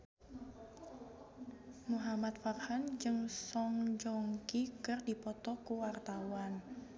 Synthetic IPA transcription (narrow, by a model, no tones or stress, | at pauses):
muɦamat̪̚farhand͡ʒɨŋsɔŋd͡ʒɔŋkikɨrdipɔt̪ɔkuwart̪awan